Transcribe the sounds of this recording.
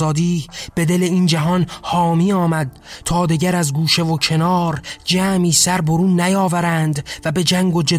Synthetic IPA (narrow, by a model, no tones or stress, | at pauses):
ɒːd̪iːb̥e̞d̪e̞leiːnd͡ʒæɦɒnhɒːmiːɒːmæd̪̥̚t̪ʰɒːd̪iɟæɾæzɡuːʃe̞vocʰe̞nɒːɾd͡ʒæːmiːsæɾboɾuːnːæjɒːvæɾænd̪væbe̞d͡ʒæŋɡod͡ʒe